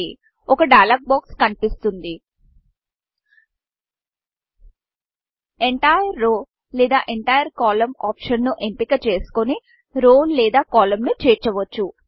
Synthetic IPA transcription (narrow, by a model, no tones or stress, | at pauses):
ɔkɐɖɐːlaːk̚baːkskɐnipist̪und̪i | eɳʈaːjɐɾːoː | lɛːd̪aːʔeɳʈaːjɐɾkaːlɐmaːpʂɐnnuʔempikɐt͡ʃe̞ːsu̥koni | ɾoːllɛːd̪aːkaːlɐmnut͡ʃeːt͡ʃɐʋɐt͡ʃːu